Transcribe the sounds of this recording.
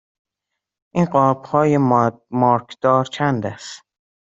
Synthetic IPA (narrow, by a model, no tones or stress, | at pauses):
ʔiːnɢɒːb̥hɒːjemɒːɾkʰd̪̥ɒːɾt͡ʃʰænd̪æst̪